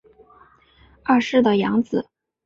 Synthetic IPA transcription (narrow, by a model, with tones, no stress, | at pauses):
a˥˧ʂɻ̩˥˩d̪ə˩jɑ˧˥ŋt͡sɹ̩˨˩